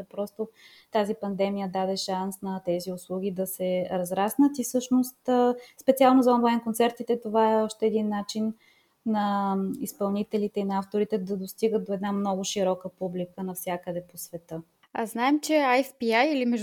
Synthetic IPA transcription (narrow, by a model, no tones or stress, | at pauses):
pɾɔst̪o | t̪azipɐnd̪ɛmijəd̪ad̪ɛʃansnɐt̪ɛziʊslˠuɡ̟ʲid̪ɐsɛɾɐzɾasnət̪ifsɤʃnost̪spɛt̪sialˠnozɐɔnlˠajnkont̪sɛɾt̪it̪ɛt̪ovaɛɔʃt̪ɛːd̪inːat͡ʃinː | ɐispɐlˠnit̪ɛlit̪ɛinɐaft̪oɾit̪ɛd̪ɐd̪ost̪iɡət̪̚d̪oɛd̪namnɔɡʊʃiɾɔkəpublikənɐfsʲjakəd̪ɛposvɛt̪ɤ | aznaɛmt͡ʃɛajfpiajilimɛʒ